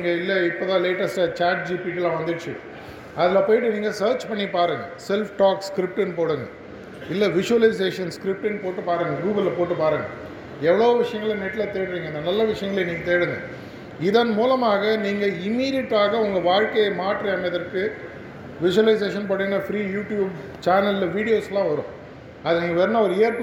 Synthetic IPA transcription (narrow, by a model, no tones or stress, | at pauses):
ŋɡɐɪlːɐɪpːoːt̪ãːleːʈːɐsʈt͡ʃaːʈ̚d͡ʒiːpiːʈilãːʋɐnd̪ɯʈt͡ʃːɯ̰ | ɐðɪlɐpoːjɪʈːɯniːŋɡɐsɐːɾt͡ʃpɐɳːipaːɾɯŋɡɐsɛlfʈaːkskɾɪp̚ʈɪnpoːɽɯŋɡɐ | ɪlːɛʋɪʂʊʋɐlɐɪs̬eːʂɐnskɾɪp̚ʈɯnpoːʈːɯpaːɾɯŋɡɐɡuːɣɐlːpoːʈːɯpaːɾɯŋɡɐ | ɛʋɐɭoːʋɪʂɐjɐŋɡɐɭnɛʈːɪlɐt̪eːɪɽɾiːŋɡɐɪnd̪ɐnɐlːɐʋɪʂɐjɐŋɡɐɭeniːŋɡɐt̪eːɪɽɯnd̪ɯ̰̃ | ɪðɐnmuːlɐmaːɣɐniːŋɡɐɪmːiːɾɪjɛʈːaːɣɐʊŋɡɐʋaːɻkɐjɐmaːʈɾɐaːnɐðɐɾkɯ | ʋɪʂʊʋɐlɐɪs̬eːʂɐnpoːɽinːɐfɾiːjuːʈjuːb | t͡ʃaːnɐllʋiːɽɪjoːslãːʋɐɾʊ̰̃ː | ɐðɯniːŋɡɐʋeːɾɯnɐɔɾɯeːɾp